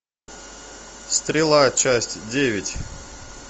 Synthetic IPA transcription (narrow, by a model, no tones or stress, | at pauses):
st̪ɾʲɪlˠat͡ɕæsʲtʲdʲevʲɪtʲ